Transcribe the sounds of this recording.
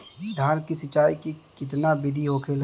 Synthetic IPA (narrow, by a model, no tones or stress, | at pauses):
d̪ʱaːɾkisɪt͡ʃaːikikɪt̪nabɪd̪ʱiɦoːkʰel